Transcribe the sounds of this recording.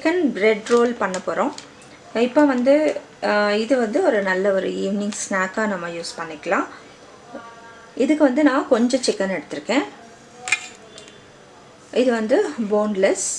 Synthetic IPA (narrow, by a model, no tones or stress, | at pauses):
t͡ʃɪkːɐnɾɛɖɾoːlpɐɳːɐpːoːɾõː | ɪpːoʋɐnd̪ɯ | ɪðɯʋɐnd̪ɯɔɾɯnɐlːɐɔɾɯ̰iːʋnɪ̃ŋɡsnaːkaːnɐmːɐjuːspɐɳːɪkːɐlãː | ɪðɯkːɯʋɐnd̪ɯnãːkɔɲd͡ʒɔ̃t͡ʃɪkːɐnɛɽɯt̪ːɯɾɯkːẽː | ɪðɯʋɐnd̪ɯboːnlɛs